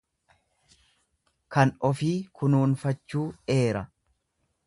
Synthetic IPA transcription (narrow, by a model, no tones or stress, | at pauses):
kɐnɔfiːkʰʊnuːnfɐt͡ʃːuːe̞ːɾɐ